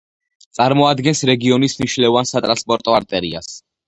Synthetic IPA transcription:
t̪sʼaɾmɔad̪ɡɛnsɾɛɡiɔnismniʃlɛvansat̪ʼɾanspʼɔɾt̪ʼɔaɾt̪ʼɛɾḭa̰s

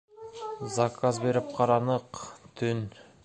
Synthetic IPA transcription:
zakʰazbe̞ɾɪp̚qʰɑɾɑnəqt̪ʰʏn

